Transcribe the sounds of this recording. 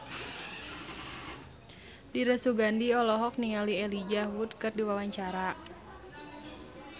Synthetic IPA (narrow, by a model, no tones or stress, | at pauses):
diɾəsuɡandiɔlɔɦɔk̚niŋaliɛlid͡ʒawudkərdiwawaɲt͡ʃaɾa